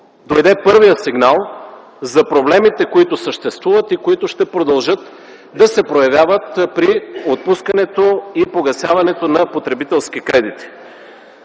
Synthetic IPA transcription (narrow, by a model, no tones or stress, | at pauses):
d̪ojd̪ɛpɤɾvijəsiɡnalˠ | zɐpɾoblɛmit̪ɛkoit̪ʊsəʃt̪ɛst̪vuvɐt̪ikoit̪ʊʃt̪ɛpɾod̪ɐlˠʒɤt̪ | d̪ɐsɛpɾojɐvʲjavət̪pɾiot̪̚puskɐnɛt̪oipoɡɐsjavɐnɛt̪onɐpot̪ɾɛbit̪ɛlˠsk̟ikɾɛd̪it̪i̥